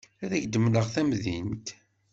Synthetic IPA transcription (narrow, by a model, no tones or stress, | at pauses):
æðæʝd̪əmləʁθæmðint̪